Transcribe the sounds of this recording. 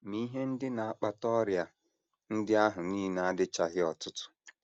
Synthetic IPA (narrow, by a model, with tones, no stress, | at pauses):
mi˦ɦe˦n̩˦dɪ˦na˨a˦k͡pa˦tɔ˦ɾja˨ | n̩˦dɪ˦a˦ɦʊ˨niː˦na˨a˦dɪ˦t͡ʃa˦˨ɦɪ˦ɔ˨tʊ˦tʊ̥˦